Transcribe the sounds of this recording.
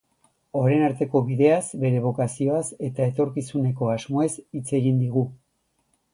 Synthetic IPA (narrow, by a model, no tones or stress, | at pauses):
o̞ɾejnaɾt̪e̞ko̞βiðe̞asbe̞ɾe̞β̞o̞kasio̞ase̞t̪ae̞t̪o̞ɾkisune̞ko̞azmo̞e̞sit͡se̞ɣind̪iɣ̞u